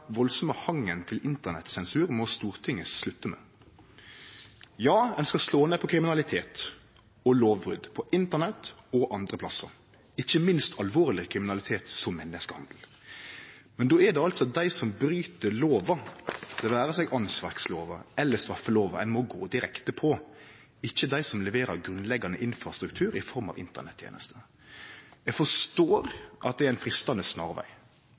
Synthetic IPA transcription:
ʋɔlsɔməhɑŋːənt̪ʰɪlɪnt̪ənɛ̰t̪sɛnsʉːɾmɔst̪uːɾt̪ʰɪŋːəslʉt̪ːəmɛ̰ | jɑːɛnskɑsloːnepʰɔkʰɾɪmɪnɑlɪt̪ʰeːt̪ | ɔloːʋbʁʉ̰d̪pʰɔʔɪnt̪əʁnɛt̪ɔʔɑnd̪ɾəpʰlɑsːə̰ɾ | ɪçːəmɪnst̪ʰɑlʋoːʁlɪkʰɾɪmɪnɑlɪt̪ʰeːt̪sɔmːɛnːəskəhɑ̰nd̪l̩ | mɛnd̪oːɛd̪ɛɑlt̪sɔɑt̪̚d̪æɪsɔmbɾyːt̪əɭoːʋɑd̪ɛʋæːɾəsɛɡʔɑnsʋæɾksloːʋɑɛlːəst̪ɾɑfːəloːʋɑ̰æ̰nmɔɡoːd̪ɪɾɛkt̪əpʰɔ | ɪçːəd̪æɪsɔmlɛʋeːɾəɾɡɾʉnlɛɡɑnəʔɪnfɾɑst̪ɾʉk̚t̪ʰʉːɾɪfɔɾmɑ̰ʋɪ̰nt̪ə̰ɳɛt̪ʰːjḛːnəst̪ə | jɛfɔʂt̪oːɾʔɑt̪̚d̪ɛɛɾæɪnfɾɪst̪ɑnəsnɑ̰ːɾʋæ̰ɪ

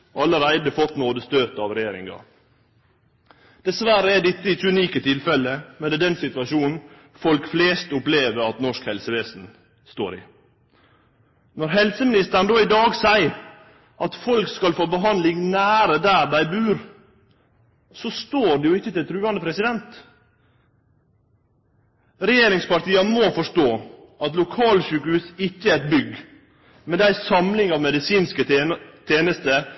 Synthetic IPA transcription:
ʔɑlːəɾæɪd̪əfɔt̪noːd̪əst̪øːt̪ɑʋɾɛjeːɾɪ̰ŋɡɑ̰ | d̪̥ɛsʋæɾəɛɖɪt̪ːəɪt̪ʉniːkət̪ʰɪlfɛlːəmɛnd̪ɛːd̪ɛnsɪt̪ʋɑʂuːnn̩ | fɔlkfleːst̪ʊpleːʋəɾɑt̪nɔʂkhɛlsəʋeːsn̩ | st̪o̰ːɾɪ̰ | nɔɾɦɛlsəmɪnɪst̪əɾn̩d̪oːɪd̪ɑːɡsæɪ | ʔɑt̪fɔlkskɑlfoːbəɦɑnd̪lɪŋnæːɾəd̪æːɾɖæɪbʉːɾ | sɔst̪oːɖɛjʊɪçːət̪ɪlt̪ʰɾʉːɑnd̪əpʰɾɛsɪd̪ɛnt̪ | ɾɛjeːɾɪŋspɑɾʈ̪iːəmofɔʂt̪oː | ʔɑt̪lʊkʰɑːlɕʉːkhʉːsɪçːəæɾɛt̪̚bʏɡ | mɛd̪æɪsɑmlɪŋɑːʋmɛd̪ɪsiːnskət̪ʰjeːnəst̪ə

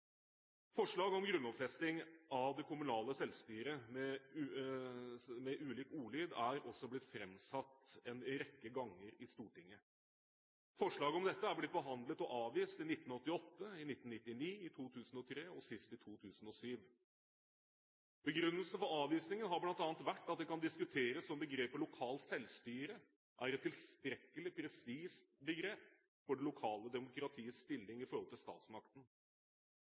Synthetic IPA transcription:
fɔʂɭɑːɡɔmɡɾʉnːɔpfɛst̪ɪŋɑʋd̪ɛkʰʊmʉnɑːləsɛlst̪yːɾəmɛ | mɛʔʉːliːkuːɭyːd̪æɾɔsːɔblɪt̪fɾɛmsɑt̪ːɛnɾɛkːəɡɑŋːəɾɪst̪uːʈɪŋːə | fɔʂɭɑːɡəɔmd̪ɛt̪ːəæblɪt̪̚ːbəɦɑnd̪lət̪ɔʔɑːʋiːst̪ɪnɪt̪ːn̩ɔt̪ːɪɔt̪ːəɪnɪt̪ːn̩nɪt̪ːɪniːɪt̪ʰuːt̪ʰʉːsn̩ɔt̪ʰɾeːɔsɪst̪ɪt̪ʰuːt̪ʰʉːsən̩ɔsyːʋ | b̥əɡɾʉnːəlsənfɔɾɑːʋiːsnɪŋənɦɑɾblɑnt̪ɑːnt̪ʋæʈːɑt̪̚d̪ɛkɑnd̪ɪskʉt̪ʰeːɾəsɔmbəɡɾeːpəlʊkʰɑːlsɛlst̪yːɾə | ʔæɾɛt̪ʰːɪlst̪ɾɛkːəlɪpʰɾɛst̪iːʂbəɡɾeːp | fɔɖɛlʊkʰɑːləd̪ɛmʊkɾɑt̪ʰiːəsst̪ɪlːɪŋɪfɔɾhɔlt̪ɪlst̪ɑ̰ːt̪smɑk̚t̪ən̩

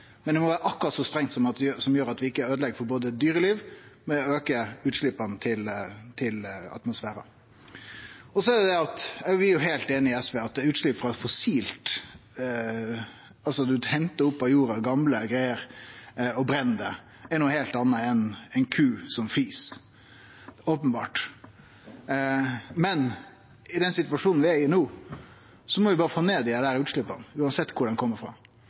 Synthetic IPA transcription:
mɛnd̪ɛmɔʋæːɾəʔɑkːʊɾɑt̪sɔst̪ɾɛŋt̪sɔmɑt̪d̪ɛjsɔmjøːɾɑt̪ʋɪɪkːəæɾøːd̪lɛɡfɔɾboːd̪əd̪yːɾəliːʋmɛøːkəʉːt̪ʂlɪpːɑnt̪ʰɪlt̪ʰɪlɑ̰t̪mʊsfæːɾɑ̰ | ɔsɔɛd̪ɛd̪ɛɑt̪ɛɾʋɪjʊɦeɪlt̪eːnɪɪɛsʋɛːɑt̪̚d̪ʉːt̪ʂɭɪpːfɾɑfɔsiːlt̪ | ɑlsɔd̪ʉhɛnt̪əʊpːɑjuːɾɑɡɑmləɡɾæɪəɾ | ɔbɾɛnd̪ə | ɛnuːheːlt̪ɑnːəɛnɛɪnkʰʉːsɔmfiːs | oːpənbɑ̰ːʈ | mɛn | ɪd̪ɛnsɪt̪ʋɑʂuːnn̩ʋɪæɾɪnuː | sɔmɔʋɪbɑːɾəfoːneːd̪ɪɛd̪æːɾʉːt̪ʂlʏpːə̰nʉːɑnsɛt̪ːkʰʊɖɛnkʰɔmːəɾfɑ̰ː

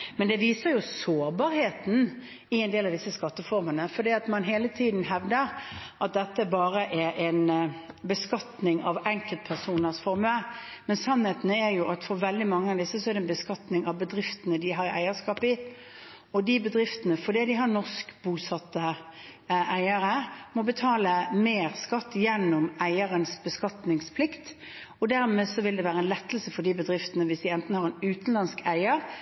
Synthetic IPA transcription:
mɛnd̪ɛʋiːsəɾjʊsoːɾbɑːɾheːt̪n̩ | ɪɛnd̪eːlɑʋd̪ɪsːəskɑt̪ːəfɔɾmənəfɔd̪iːɑt̪mɑnɦeːlət̪ʰiːd̪n̩ɦɛʋd̪əɾʔɑt̪̚d̪ɛt̪ːəæɾbɑːɾəʔɛɾʔɛnbəskɑt̪nɪŋɑʋɛŋkəlt̪̚pʰæʁsuːnəɾsfɔɾməmɛnsɑnheːt̪ənəɛjʊʔɑt̪fɔɾʋɛld̪ɪmɑŋːəɑʋd̪ɪsːəsɔɛɾd̪ɛnbəskɑt̪nɪŋɑʋbəd̪ɾɪft̪ənəd̪ɪɦɑɾæ̰ɪəskɑːpɪ | ɔd̪ɪbəd̪ɾɪft̪ənəfɔd̪iːd̪ɪɦɑɾnɔʁskbuːsɑt̪ːə | ʔæɪəɾəmɔbət̪ʰɑːləmeːɾskɑt̪ːjɛnːʊmæɪəɾənsbəskɑt̪nɪŋspʰlɪkt̪ | ɔd̪æɾmeːsɔʋɪld̪ɛʋæːɾəɛnlɛt̪ːəlsəfɔɾd̪ibəd̪ɾɪft̪ənəʋɪsd̪ɪɛnt̪n̩hɑɾɛnʉːt̪n̩lɑnskʰæɪəɾ

